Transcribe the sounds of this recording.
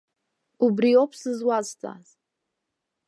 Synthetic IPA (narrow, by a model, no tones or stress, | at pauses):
ubɾiopʰsɨzwaztʼa̰z̥